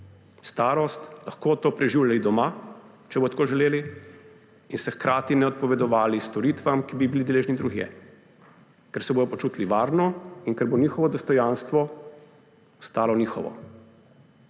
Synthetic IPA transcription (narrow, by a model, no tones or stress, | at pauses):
st̪aːɾɔst̪laxkoːt̪oːpɾɛʒiːwʎʲalid̪ɔmaː | t͡ʃɛbot̪koʒɛleːli | insɛxkɾʔaːt̪inɛɔt̪̚pɔʋɛd̪ɔʋaːlist̪ɔɾiːt̪ʋamkibibilid̪eleːʒnid̪ɾuɣjɛ̰ | kɛɾsɛboːd̪ɔpɔt͡ʃuːt̪liʋaːɾnɔinkɛɾboniːxɔʋɔd̪ɔst̪ɔjaːnst̪ʋɔ | ɔst̪aːlɔniːxɔ̰ʋɔ̰